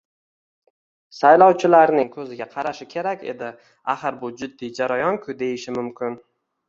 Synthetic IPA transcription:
sajlɒwt͡ʃʰɪlaɾnɪŋkʰɵzɪɡʲaqʰɑɾaʃɪkʲʰe̞ɾakʲe̞̰d̪ɪ | aχɨɾbʊd͡ʒʊd̪ːid͡ʒaɾajɒnkʰʊd̪e̞jɪʃɪmʊmkʲɪn

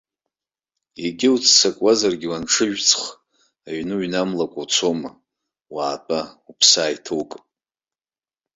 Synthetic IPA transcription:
eɡʲɪwt͡sʰsakʷʼazarɡʲɪwanʈ͡ʂʰɨʒᶣt͡sʰχ | aɥnɨɥnamlakʷʼat͡sʰo̞ma | waːpʼaupʰsaːjtʰɨwkʼ

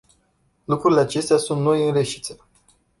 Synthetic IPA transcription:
lukɾuɾileat͡ʃe̞st̪easunt̪no̞jɨnɾeʃi̥t̪se

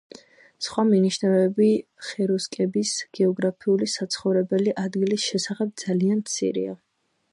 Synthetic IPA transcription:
sχwaminiʃnvɛbiχɛɾuskʼɛbisɡ̥ɛɔɡɾapʰiulisat̪sʰχɔvɾɛbɛliʔad̪ɡilisʃɛsaχɛb̚d̪z̥alianmt̪sʰḭɾḭa̰

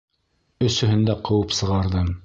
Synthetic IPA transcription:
ɵ̆sɵ̆ɦɘ̆nd̪æqʰɤ̆wɤpsɤ̆ʁɑɾðɤm

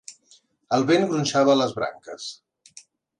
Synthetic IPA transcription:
əlˠβenɡɾunʲʃaβəːləzβɾa̰ŋkəs

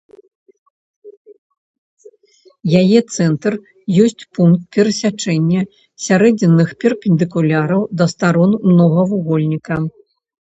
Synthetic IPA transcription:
jajɛt̪sɛnt̪r | jɔsʲt͡sʲpunk̚t̪̚pʲɛɾɐsʲat͡ʂɛnʲːɐ | sʲaɾɛd͡zʲɛnːɨxpʲɛrpʲɪnd̪ɨkulʲaɾɐwd̪ɐst̪aɾɔnmnɔɣɐvuɣɔlʲnʲikɐ

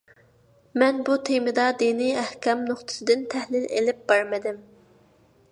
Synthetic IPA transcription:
mɛnbut̪ʰemɪd̪ɑd̪iniæhkʲɛmnoχt̪ʰɨ̥sɨd̪ɪnt̪ʰɛhlɪlḛlɪp̚b̥ɑɾmɪd̪ɪm

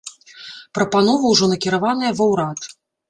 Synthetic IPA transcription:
pɾɐpanɔvɐwʐɔnɐkʲiɾavanɨjɐvɐwɾat̪

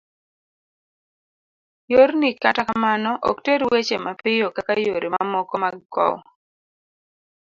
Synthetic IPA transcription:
joɾnikatakamanɔʔɔ̰kteɾwet͡ʃemapɪjokakajoɾʔimamɔkɔmaɡkɔ̰w

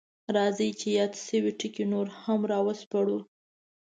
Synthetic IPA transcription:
ɾɑzət͡ʃejɑd̪səwiʈikinoɾhamɾɑwəspaɽu

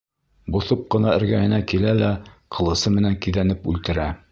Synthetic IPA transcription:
buθɤp̚qɤ̆nɑɘ̆ɾɡæjɘ̆nækilælæqʰɤ̆lˠɤ̆sɤmɘ̆næŋkiðænɘpʉ̰lt̪ɘ̆ɾæ

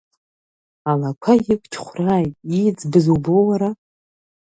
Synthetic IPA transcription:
alakʷʰajɪkʷt͡ʃʰχʷraːjtʼid͡zbɨzuwbowaɾa

